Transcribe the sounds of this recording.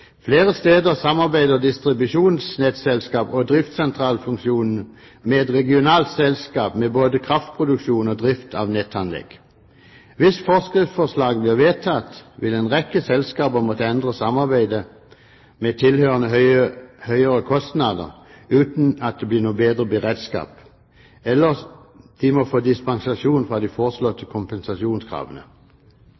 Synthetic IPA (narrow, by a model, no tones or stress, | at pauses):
fleːʁəst̪eːd̪əʁsɑmɑʁbæɪd̪əʁd̪ɪst̪ʁɪbʉʂuːnsnɛt̪sɛlskɑːpɔd̪ʁɪft̪sɛnt̪ʰʁɑːlfʉŋkʃuːnn̩ | meːd̪ʁɛɡɪʊnɑːlt̪sɛlskɑːpmeboːd̪əkʰʁɑft̪̚pʰʁʊd̪ʉkʃuːnɔd̪ʁɪft̪ʰɑ̰ʋnɛt̪ʰːɑnlɛ̰ɡ̥ | ʋɪsfɔʁskʁɪtfɔslɑːɡ̚blɪʁʋeːt̪ʰɑt̪ʋɪlɛnʁɛkːəsɛlskɑːpəmoːt̪əɛnd̪ʁəsɑmːɑʁbæɪd̪ə | mɛt̪ʰɪlhøːʁənə | hœʏəʁəkʰɔst̪nɑd̪ə̰ʁ | ʉːt̪n̩ɑt̪̚d̪ɛblɪːʁnuːəbeːd̪ʁəbəʁeːd̪skɑ̰ːp | ɛlːəʁ | d̪̥ɪmɔfoːd̪ɪspɑŋsɑʃuːnfʁɑːd̪ɪfɔːʁəslɔt̪ːəkʰʊmpɛnsɑʂuːnskʰʁɑ̰ːʋənə